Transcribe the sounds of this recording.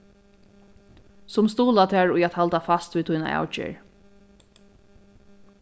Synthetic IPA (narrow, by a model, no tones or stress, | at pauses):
sʊmst̪uːlat̪ʰaːɹʊjɛt̪halt̪afast̪viːt̪ʰʊjna̰ʔa̰ːwt͡ʃɛ̰ɹ